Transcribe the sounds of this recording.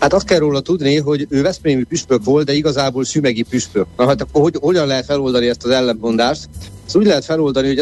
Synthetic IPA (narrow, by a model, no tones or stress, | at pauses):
hat̪ɒst̪̚kɛrroːlɒt̪ud̪niɦo̞ɟøːvɛspɾeːmipyʃpøkʋo̞lt̪d̪ɛiɡɒzaːboːlsymɛɡipyʃpøknɒɦɒt̪ɒkːoɦoho̞ɟɒnlɛɦɛt̪fɛlo̞ld̪ɒniɛst̪ɒzɛlːɛmpo̞nd̪aːʃt̪st̪uːɟlɛɦɛt̪fɛlo̞ld̪ɒniɦo̞